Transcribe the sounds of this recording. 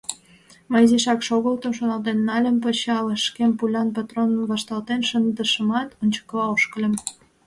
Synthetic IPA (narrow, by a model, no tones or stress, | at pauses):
məjziʃɑkʃoɣəlt̪əmʃonɑlt̪enːɑlʲəmpət͡ɕɑləʃkempulʲɑnpɑt̪ronβɑʃt̪ɑlt̪enʃənd̪əʃəmɑt̪onʲt͡ɕə̥kəβɑoʃkəlʲə̆m